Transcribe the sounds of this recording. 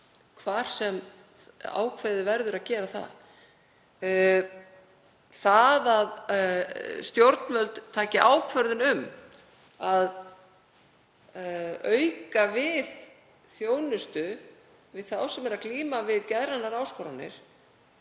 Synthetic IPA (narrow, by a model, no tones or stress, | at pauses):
kʰvaːɾ̥sɛm | a̰ːwkʰveːðɪvɛɾðʏɾaðcɛːɾaθa̰ð | θaðað | st̪jowɾt̪nvœlt̪t̪ʰːaːcɪʔaːwkʰvœɾðʏnʏm | að | œɥkavɪð | θjoːwnʏst̪ʏ | vɪðθawsɛmɛɾaðkliːmavɪðcɛðɾanːaɾaːwskɔɾanːɪ̰ɾ̥